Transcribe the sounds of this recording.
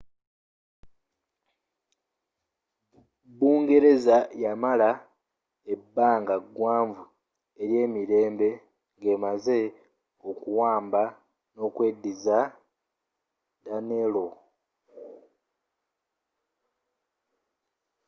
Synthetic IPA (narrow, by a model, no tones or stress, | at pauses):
buːŋɡe̞ɾe̞zajamala | ebːaːŋɡaɡwaːɱvu | e̞ɾje̞ːmiɾe̞ːmbe̞ | ŋɡe̞maze̞ | okuwaːmba | no̞kwe̞diza | danelo